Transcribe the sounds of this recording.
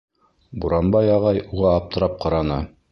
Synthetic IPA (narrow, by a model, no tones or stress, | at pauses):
buɾɑnbɑjɑʁɑjuʁɑːp̚t̪ɤ̆ɾɑp̚qɑɾɑnɤ